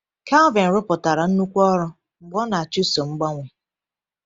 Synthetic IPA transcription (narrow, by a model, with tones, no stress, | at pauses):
ka˦vɪ˨n̩˨ɾʊ˦pʊ˨ta˨ɾa˨n̩˦nu˦kʷɔ˦ɾʊ˦ | ŋ͡m̩˨ɡ͡bɔ˦na˨a˨t͡ʃu˦so˨ŋ͡m̩˦ɡ͡bɔ˦ŋʷe˨